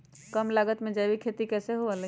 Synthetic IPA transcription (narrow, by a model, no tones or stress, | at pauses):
kəmlaːɡət̪mẽd͡ʒaːbikʰeːt̪ikɛːseɦoalə